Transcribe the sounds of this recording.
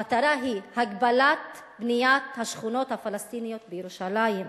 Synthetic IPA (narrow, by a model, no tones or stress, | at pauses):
at̪aɾaɦihaɡbalat̪bnijat̪haʃχuno̞t̪hafalast̪inijot̪̚bejeɾuʃalajim